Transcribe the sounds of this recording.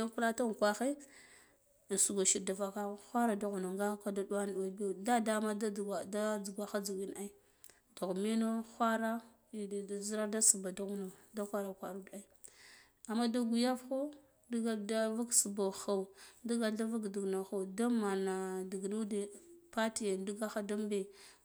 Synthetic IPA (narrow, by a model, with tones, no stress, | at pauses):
da˦pla˦ta˦ɣkʷa˦xi˦˨ | su˨ɡa˨ʃi˦˨ɾda˨fa˨ka˦xʷa˦ɾa˨da˦ɣu˨no˨ŋɡa˦ka˦da˦dwa˦n˨wa˨bda˦da˦ma˦dda˦d͡zu˨ɡʷa˦xa˦d͡zu˨ɡi˦na˦i˦ | do˨ɣmi˦no˦xʷa˦ɾa˦˨ | zi˦ɾa˦da˦su˨ba˨da˦ɣu˨no˨da˦xʷa˦ɾa˨kʷa˨ɾu˦da˦i˦ | a˨mːa˦da˦ɡu˨ja˦fxo˦ | dɡda˦va˦ksu˨ba˨xa˨u˨du˦ɡa˨da˦va˦kdi˨ɡna˨xa˨da˦ma˨na˨di˨ɡnu˦de˨pa˦ti˨ja˨˦du˦ɡa˦xa˦da˦m˦be˨